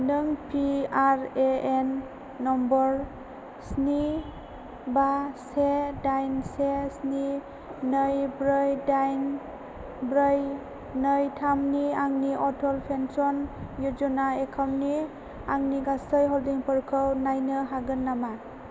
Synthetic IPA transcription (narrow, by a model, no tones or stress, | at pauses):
nɯŋpʰiaɾeenː | ɔmbɔɾ | sni | basedajnsesni | nəjbɾɯjdajn | bɾəj | nɯjtʰamniaŋniʔɔtʰɔlpʰensɔnjud͡ʒɔnaekʰamni | aŋniɡasɯjɦɔldiŋpɔɾkʰɯwnajnɯɦaɡɯnːama